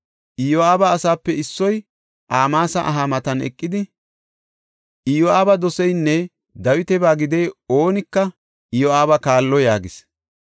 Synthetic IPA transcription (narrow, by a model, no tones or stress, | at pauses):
ʔɪjɔaːbɐːsaːpːɛɪsːɔj | ʔaːmaːsɐʔɐɦamɐt̪ɐnɛ̰kʼːɪd̪ɪ | ʔɪjɔʔaːbɐd̪ɔsɛjnːɛ | d̪ɐwɪt̪ɛbaːɡɪd̪ɛjoːnɪkːɐ | ʔɪjɔaːbɐkaːlːɔjaːɡɪs